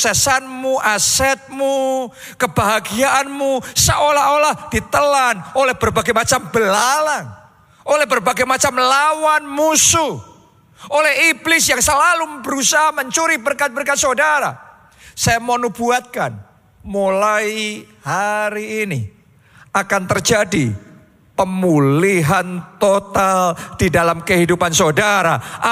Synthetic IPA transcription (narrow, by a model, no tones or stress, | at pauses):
sɛsanmuʔasɛt̪̚mu | kəbaɦaɡiaʔanmusəʔolaɦolahd̥it̪əlanolɛhb̥ərbaɡajmat͡ʃambəlalan | ʔolɛhbərbaɡajmat͡ʃamlawanmusu | olɛɦiblɪsjaŋsəlalubəɾusaɦaməɲt͡ʃuɾibərkat̪̚bərkat̪̚sadaɾa̰ | sajamonubuat̪̚kan | mulai | haɾiːni | akant̪ərd͡ʒadi | pəmuliɦant̪ot̪ald̥idalamkəɦidupansodaɾa̰ʔ